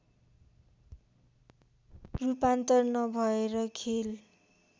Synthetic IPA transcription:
rupant̪ʌrnʌbʱʌeɾʌkʰel

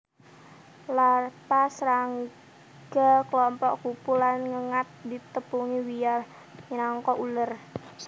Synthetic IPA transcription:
larpasɾaŋ | ɡ̥akəlɔmpɔʔkupulanŋəŋat̪̚dit̪əpuŋiwija | naŋkɔʔulər

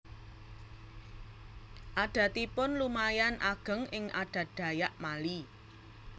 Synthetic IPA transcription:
ʔaɖ̥ä̤t̪ipʊnlumajanʔaɡ̥ə̤ŋʔɪŋʔa̰ɖ̥ä̤ɖ̥ä̤jaʔmali

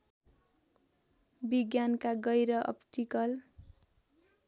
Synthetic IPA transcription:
biɡjankaɡʌjɾʌʔʌ̰pʈikʌl

